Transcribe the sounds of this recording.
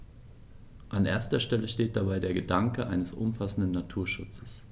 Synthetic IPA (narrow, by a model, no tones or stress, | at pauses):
ʔanʔeːɐstɐʃtɛləʃteːt̚d̥abaɪdeːɐɡədaŋkəʔa̰ɪnəsʔʊ̰mfasn̩dnːatʰuːɐʃʊt͡səs